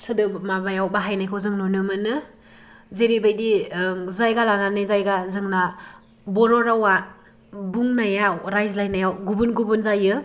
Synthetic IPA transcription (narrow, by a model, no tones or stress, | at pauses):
sɯdɯmabajawbaɦajnajkʰɯzɯŋnɔnɯmɯnɯ | zeɾibajdizajɡalananɯjzajɡazɯŋna | bɔɾɔɾawa | buŋnajaɾajzlajnajawɡubunɡubunzajɯ